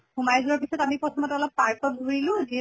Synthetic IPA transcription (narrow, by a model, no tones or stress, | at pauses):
xumajzuaɹpisɔtamipɹɔtʰɔmɔtɛɔlɔp̚paɹkɔdʱuɹilʊ̃ziɛ